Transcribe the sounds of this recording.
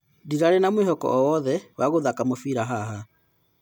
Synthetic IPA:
diɾaɾenamwehɔkɔ̰ʔɔwɔðɛwaɣoðakamofiɾaɦaɦa

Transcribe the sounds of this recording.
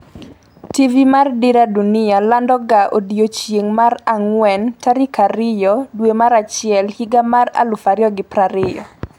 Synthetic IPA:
tivimardɪɾadunɪalandɔɡaʔodijot͡ʃjeŋmaraŋwɛntaɾikaɾɪjɔdwemaɾat͡ʃɪɛlhiɡamara̰lʊfaɾjɔɡɪpɾaɾɪjɔ

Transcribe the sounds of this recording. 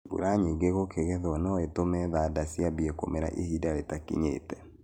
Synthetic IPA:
bṵɾaɲiɡeɣokʰeɣɛðɔnɔetomɛðadasiabiɛko̰mɛɾa̰ʔihidaɾetakḭɲḛːtɛ

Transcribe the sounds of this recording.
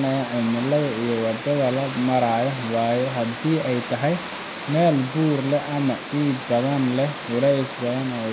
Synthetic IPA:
nɐjɐʔɪmɪlːɐðɐijɔwɐd̪ɐðɐlɐmɐɾaːjɔwaːjɔɦɐd̪iːɛjt̪ʰɐɦɛj | mɛːlbuːrlɛʔɐmɐ | iːd̪ɐβɐnlɛhʊlɛjsbɐðɐnɛ

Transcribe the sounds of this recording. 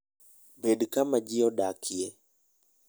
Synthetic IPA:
bedkamad͡ʒiɔdakʰje

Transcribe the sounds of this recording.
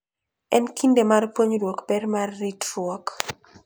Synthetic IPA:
ɛnkʰindemarpwoɲdwɔkbɛrmarːitrwɔk

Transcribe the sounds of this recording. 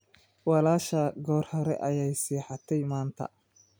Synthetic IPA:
wɑlaːʃɐɡɔːrhɐɾɛ̰ʔɐjɛjsiːħɑt̪ʰɛjmaːnt̪ʰɐ̰

